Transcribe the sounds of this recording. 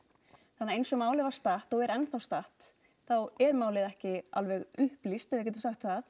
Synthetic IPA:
θanːaɾejnsɔmaːwlɪvaɾ̥st̪aht̪ɔɣɛɾɛnθawst̪aht̪ | θawɛɾmaːwlɪðɛhcɪa̰lvɛɣʏhplist̪ɛvɪcɛːt̪ʏmsaxt̪θað

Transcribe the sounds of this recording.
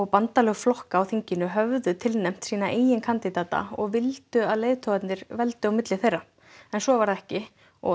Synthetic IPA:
ɔɣpant̪alɛɣflɔhkaːwθiɲcɪnʏɦœvðʏt̪ʰɪlnɛm̥t̪siːnaʔeːjɪnkʰant̪ɪt̪aːt̪a̰ɔɣvɪlt̪ʏaðleːjðt̪ʰɔɣat̪nɪɾvɛlt̪ʏawmɪt̪lɪθejrːa | ɛnsɔvaɾðɛhcɪ | ɔ̰

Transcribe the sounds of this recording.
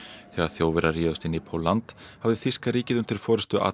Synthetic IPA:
θɛːɣaɾ̥θjoːwvɛɾariːðɔst̪ɪniːpʰowlːant̪havðɪθɪskaɾiːcɪðʏm̥t̪ʰɪɾ̥fɔːɾɪst̪ʏʔa̰

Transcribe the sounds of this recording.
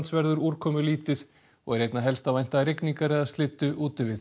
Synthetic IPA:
nt̪svɛɾðʏɾuːɾkʰɔːmʏliːt̪ɪð̥ | ɔ̰ɣɛɾejt̪naɦɛlst̪avajn̥t̪aðɾɪkniŋkaɾɛðast̪lɪt̪ːʏʔuːt̪ʏvɪθ

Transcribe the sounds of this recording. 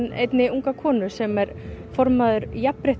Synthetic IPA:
nḛjt̪nɪuŋkakʰɔːnʏsɛmɛɾ | fɔɾmaðʏɾjapɾeht̪

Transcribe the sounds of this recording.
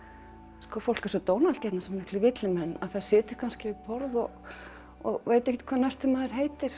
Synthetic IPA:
skɔfowl̥kasɔt̪oːwnalt̪cɛt̪nasɛmɪhklɪvɪt̪lɪmɛnːa̰ðθaðsɪːt̪ʏɾ̥kʰanscɪɪpɔɾðɔɣ | ɔɣveːjt̪ɛhkcɪt̪kʰvaːnaj̥st̪ɪmaːðɪɾ̥ɦeːjt̪ɪɾ̥

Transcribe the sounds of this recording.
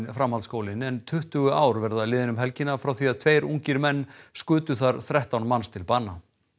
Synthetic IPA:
nfɾamhalt̪skowlɪnɛnt̪ʰʏht̪ʏɣʏaːwɾvɛɾðalɪːðɪnʏmɦɛlcɪnːafɾawθiaðt̪ʰveːjɾṵŋcɪɾmɛnːskʏːt̪ʏθaɾ̥θɾɛht̪awnmanst̪ʰɪlpaːnːa

